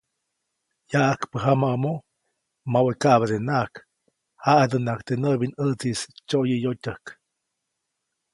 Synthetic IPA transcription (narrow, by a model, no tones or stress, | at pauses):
jaʔakpəɦamaʔmo | mawekaʔbad̪enaʔk | haad̪ɨnakt̪enəbinət͡sist͡ʃojəjotʲəhk